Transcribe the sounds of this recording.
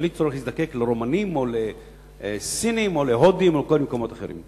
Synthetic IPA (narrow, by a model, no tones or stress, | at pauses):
lit͡soʁeχhisd̪akekleʁomanimo̞le | sinimoleɦod̪imolekolmekomo̞t̪aχeɾḭm